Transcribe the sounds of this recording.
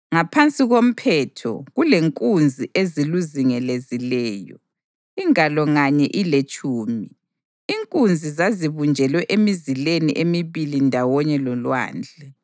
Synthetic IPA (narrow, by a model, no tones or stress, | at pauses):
ŋapʰant͡sʼiɣom̩pʰɛtʰɔ̰ɣuleŋkʼund͡zʱiʔeziluziŋɛlezilɛːjɔ̰ | iŋalɔŋaɲɛʔilet͡ʃʼuːmi | iŋkʼund͡zʱizaziβund͡ʒʱɛlwɛʔemizileniʔemiβilindʱawɔɲɛlɔlwa̰ːnd͡ɮʱɛ